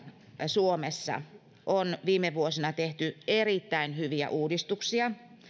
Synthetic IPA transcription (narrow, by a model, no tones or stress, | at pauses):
suomesːɑ̰ | ʔonʋiːmeʋuosinɑt̪eht̪yerit̪ːæinhyʋiæ̰ʔuːdist̪uksiɑ